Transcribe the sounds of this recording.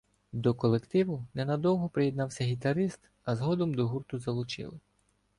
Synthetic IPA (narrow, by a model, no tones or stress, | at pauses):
d̪ɔkɔlˠekt̪ɪʋʊnɛnɐd̪ɔwɦɔpɾɪjɛd̪nɑwsʲɐɦʲit̪ɐɾɪst̪ | ɐzɦɔd̪ɔmd̪ɔɦurt̪ʊzɐlˠʊt͡ʃɪ̰lˠɪ